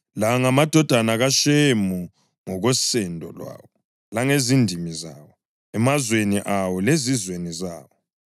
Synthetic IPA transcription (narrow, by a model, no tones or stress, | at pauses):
laŋamad̥ʱɔd̥ʱanaɣaʃemu | ŋɔɣɔsɛndʱɔ̰lwa̰ːwɔ | laŋezindʱimizaːwɔ | ɛmazweniʔawɔlezizwenizaːwɔ